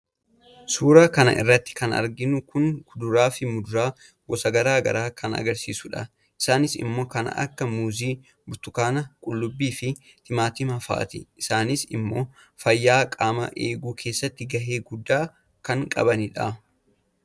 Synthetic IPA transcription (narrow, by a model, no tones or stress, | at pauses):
suːɾaːkɐnɐ̰ʔɪ̰rːɐt̪ːɪ̥kɐnɐ̰ɾɡɪnʊkʊnɡʊd̪ʊɾaːfɪmʊd̪ʊɾaː | ɡɔsɐɡɐɾaːɡɐ̰ɾaːkʰɐnɐ̰ɡɐɾsḭːsʊᶑɐ | ʔɪ̥saːnɪsɪ̰mːo̞ːkɐn̰ɐ̰kːɐmuːziː | bʊt̪ʊkaːnɐkʼʊlːʊbːiːfɪt̪ɪmaːt̪ɪmɐfa̰ːt̪ɪ̰ʔɪsaːnɪsɪmːo̞ː | fɐjːaːkʼaːmɐ̰ʔeːɡuːkʰe̞ːsːɐt̪ːɪɡɐɦeːɡʊd̪ːaː | kɐŋkʼɐ̰bɐnɪᶑa